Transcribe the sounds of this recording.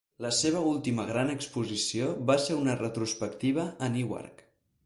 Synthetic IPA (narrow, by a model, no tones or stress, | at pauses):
ləseβ̞əulˠt̪iməɣ̞ɾanəkspuzisioβaseunərət̪ɾuspəkt̪iβ̞əəniwa̰rk